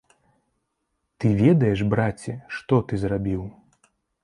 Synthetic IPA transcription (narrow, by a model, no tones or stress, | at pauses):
t̪ɨvʲɛd̪ɐjɛʐbɾat͡sʲːɛʂt̪ɔt̪ɨzrabʲiw